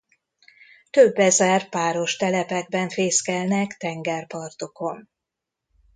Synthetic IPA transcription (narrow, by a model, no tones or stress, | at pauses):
t̪øbːɛzɛrpaːɾo̞ʃt̪ɛlɛpɛɡ̚bɛɱfeːskɛlnɛkt̪ɛŋɡɛrpɒrt̪o̞ko̞n